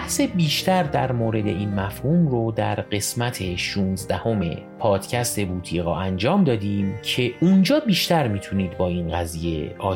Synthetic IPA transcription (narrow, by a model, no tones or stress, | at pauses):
æhse̞biːʃt̪ʰæɾd̪æɾmoːɾe̞d̪e̞̰iːnmæfhuːmɾod̪æɾɢe̞smæt̪ʰe̞ʃuːnzd̪æho̞me̞̰ | pʰɒːd̪̥cʰæst̪e̞buːt̪ʰiːɣɒ̰ːʔænd͡ʒɒːmd̪ɒːd̪iːmcʰe̞und͡ʒɒːbiːʃt̪æɾmit̪ʰuniːd̪bɒːiːnɢæziːjeʔɒː